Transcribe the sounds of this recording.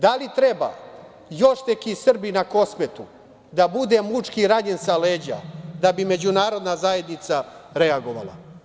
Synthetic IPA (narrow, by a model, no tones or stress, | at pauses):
d̪alit̪ɾeba̰ː | jo̞ʃt̪ekisr̩binako̞smet̪u | d̪abud̪e̞mut͡ʂkiɾaɲensaleːd͡ʑa̰d̪abime̞d͡ʑunaːɾo̞d̪nazaje̞d̪nit̪saɾeaɡo̞ʋa̰lˠa̰